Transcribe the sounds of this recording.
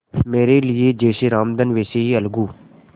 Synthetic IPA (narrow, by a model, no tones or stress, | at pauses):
meːɾelɪed͡ʒeːʃeɾaːmd̪ənʋeːseiɐlɡuː